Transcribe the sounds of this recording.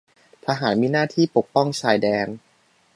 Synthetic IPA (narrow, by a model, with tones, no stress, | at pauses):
pʰa˧ɦaː˩˦n̚miː˧naː˥˩t̪ʰiː˥˩po˨˩k̚pɔ˥˩ŋt͡ɕʰaː˧jdɛː˧n